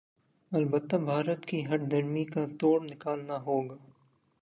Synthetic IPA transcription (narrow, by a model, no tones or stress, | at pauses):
ɐlbət̪ːabʱaːɾət̪kiɦɐʈd̪ʱɐɾmikat̪oːɽnɪkaːlnaɦoːɡaː